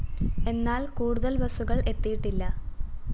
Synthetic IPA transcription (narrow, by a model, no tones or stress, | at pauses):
e̞nːaːlkuːɽuðɐlbɐsuɣɐɭe̞t̪ːijiʈːilːɐ